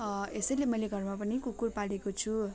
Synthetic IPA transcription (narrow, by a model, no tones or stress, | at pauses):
esʌilemʌjleɡʱʌrmapʌnikukurpalekot͡sʰu